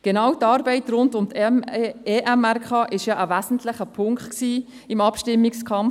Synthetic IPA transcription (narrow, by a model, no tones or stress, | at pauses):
ɡ̥ɛnɑwtɑːɾbɛɪtɾʊndʊmt̪ʰ | eʔɛmærkχɑːʔɪʃjɑːʔəʋæsn̩tlɪχəpʰʊŋkt̪ksiː | ɪmɑpʃtɪmːɪkskʰɑmf